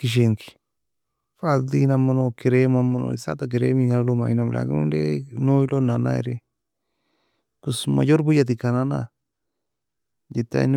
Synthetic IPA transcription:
kiʃ̬eŋki̥ | fald̪inamonokeɾemamono̰isa̰t̪ak̬eɾemiɲalomainamlʔa̰ɡnṵnɾenõjlonana̰ḛɾe | kusma̰joɾbujat̪ikanana̰ | jit̪a̰n

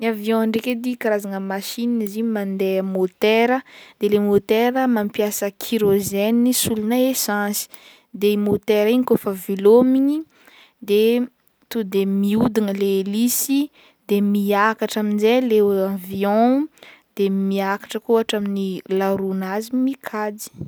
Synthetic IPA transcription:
naviɔ̃aɳɖ͡ʐeked̪ikaɾazaŋəmaʃinniziɲimand̪emot̪eɾəd̪elemot̪eɾəmampjasəkʰiɾoʒenisulunaesãzi̥ | d̪emot̪eɾiɲikofəvilomiɲi | d̪e | t̪ud̪emiud̪inəlelisi | d̪emiakaʈ͡ʂaminzeleãviɔ̃d̪̥emiakḁʈ͡ʂəkuuaʈ͡ʂaminilaɾunazimikʰad͡zi̥

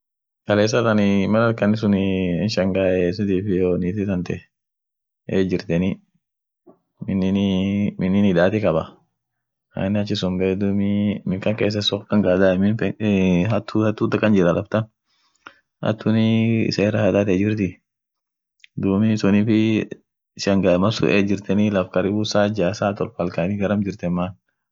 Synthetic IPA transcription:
kɐleːs̬ːɐt̪ɐnɪmɐlɐlkɐnɪs̬ʊnɪɪnʃɐŋɡaːɛs̬ɪt̪iːfɪjoːniːt̪ɪt̪ɐnt̪ɛ | eːd͡ʒɪɾt̪ɛnɪ | mɪnɪmɪnːɪnɪd̪aːt̪ɪkɐbɐ | a̰nːɪɐt͡ʃːɪsʊmbɛd̪umɪmɪkɐŋkeːs̬ːɐsɔkkːɐŋɡaːd̪amɪn | ɐt̪ːuhɐt̪ːuːt̪ːɐkːɐnd͡ʒɪɾɐlɐbt̪ɐn | ɐ̰t̪ːʊnɪɪ̰sɛɛrɐhɐd̪aːt̪ɛd͡ʒɪɾt̪ɪ | d̪uːmɪsʊnifɪ | sɐŋɡɐmɐsʊ̰ʔeːd͡ʒɪɾt̪ɛnɪlɐfkɐɾɪbusaːd͡ʒaːsaːt̪ɔlfɐlkanɪɡɐɾɐmd͡ʒɪɾt̪ɛmːaːn

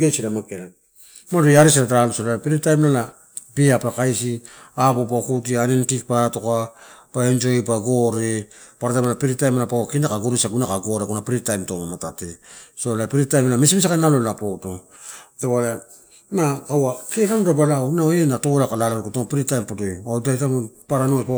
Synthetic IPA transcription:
ɡesiɾamakeɾa | madojaɾis̬iɾataɾalosolaapiɾitajmnala | biapakajsi | abopakut̬ianentik̚paɾato̞kapaend͡ʒo̞jpaɡo̞ɾe̞paɾatajmalapiɾitajmalapawakindakaɡoɾisaɡunakaɡoɾekunapiɾitajmtomamatate̞solapiɾitajmalamesmisiakanalolapoto | ewala | nakawaketamudabalanaoenatolakalalaɾokotoŋpiɾitajmpotojawdajtamupaɾanopa

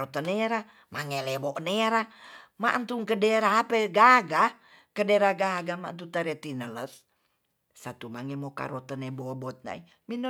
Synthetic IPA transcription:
ot̪əneɾa | maŋelebɔʔneɾama̰ʔnt̪uŋkədeɾaːpeɡaɡa | kədeɾaɡaɡama̰nt̪̬ut̪əɾet̪inələs | sat̪umaŋemoka̰ɾɔt̪ənebobɔt̪̚na̰i | minə

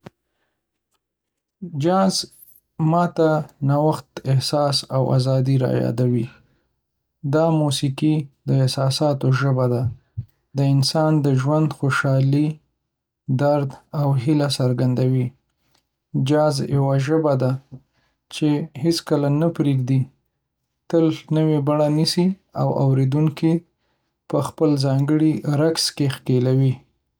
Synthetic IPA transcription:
d͡ʒɑz | mɑt̪anawaxt̪ɪhsɑsawa̰zɑd̪iɾɑ̰jjɑ̰d̪awi | d̪ɑmusikid̪əɪhsɑsɑt̪oʒəbad̪a | d̪əɪnsɑnd̪əʒwand̪xoʃɑli | d̪aɾd̪awɦilasaɾɡand̪awi | d͡ʒɑzjawaʒəbad̪a | t͡ʃeheskəlanapɾeɡ̚d̪i | t̪əlnəwebaɽanisiawʔa̰wɾed̪uŋki | pəxpəlzɑŋɡəɽiɾakskexkelawi

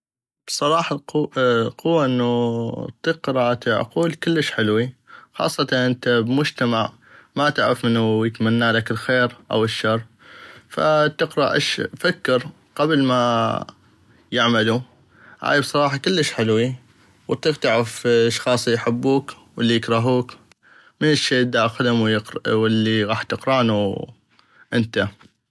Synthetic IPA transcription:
b̥sˤɑɾˤɑːħɑ | qʊwːaʔɪnːut̪ɪqɾɑʔt̪ʕ̰quːlkɪlːəʃħɪlwixɑ̰ːsˤːɑt̪ɑnʔɪnt̪abmʊd͡ʒt̪amaʕ | mat̪aʕɾɪfmɪnːujɪt̪manːaːlakɪlxeːɾʔa̰wɪʃːɑrˤː | fa̰t̪ɪqɾaʔɪʃfakːɪɾ | qablma | jɪʕmalu | ha̰ːjbsˤɑɾˤɑːħɑkɪlːəʃħɪlwi | wt̪iqt̪aʕɾɪfʃxɑːsˤijħɪbːuːk | wɪlːijɪkɾɑɦuːk | mɪnɪʃːeːʔd̪aʔaxʊd̪ʊmwwɪlːiɣɑːħt̪ɪqɾaʔnu | ʔɪnt̪a

